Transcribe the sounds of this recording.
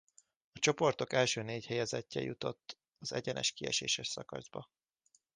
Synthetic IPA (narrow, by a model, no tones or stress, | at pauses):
ɒt͡ʃo̞po̞rt̪o̞kɛlʃøːneːchɛjɛzɛcːɛjut̪o̞t̪ː | ɒzɛɟɛnɛ̰ʃkiɛ̰ʃḛːʃɛʃsɒkɒ̰zbɒ